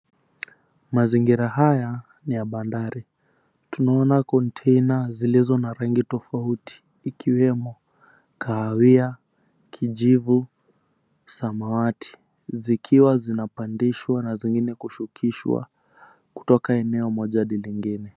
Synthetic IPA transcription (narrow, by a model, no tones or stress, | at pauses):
maziŋɡiɾaɦaja | nijaɓandaɾi | tunaɔnakɔntʰɛjnazilizɔnaɾaŋɡitɔfautʰi̥ːkʰiwɛmɔ | kaːwia | kʰiʄivu | samawatʰi̥ | zikʰiwazinapandiʃwanaziŋɡinɛkuʃukʰiʃwa̰ | ku̥tɔkaɛnɛɔmɔʄaɗiliŋɡinɛ